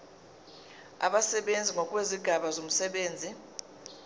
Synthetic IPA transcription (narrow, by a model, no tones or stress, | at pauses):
a̰ɓasɛɓend͡zʱiŋɔkʼweziɡ̥ʱaɓazom̩sɛɓeːnd͡zʱi